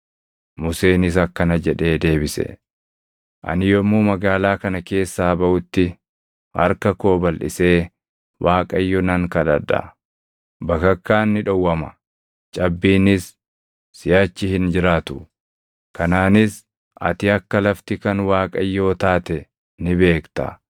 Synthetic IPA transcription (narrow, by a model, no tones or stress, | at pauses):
mʊse̞ːnɪs̬ɐkːɐnɐd͡ʒɛᶑe̞ːd̪e̞ːbɪsɛ̰ | ʔɐ̰nɪjɔmːuːmɐɡaːlaːkɐnɐke̞ːsːaːbɐʔʊt̪ːɪ | hɐ̰ɾkɐko̞ːbɐlʔɪ̰se̞ː | waːkʼɐjːɔnɐŋkɐᶑɐᶑɐ̰ | bɐkɐkːaːnːɪᶑɔwːɐmɐ | t͡ʃʼɐbːiːnɪsː | ɪjaːt͡ʃːɪhɪnd͡ʒɪɾaːt̪ʊ | kɐnaːnɪs | ʔɐ̰t̪ɪɐkːɐlɐft̪ɪkɐnwaːkʼɐjːo̞ːt̪aːt̪ɛ | nɪbe̞ːkt̪ɐ̰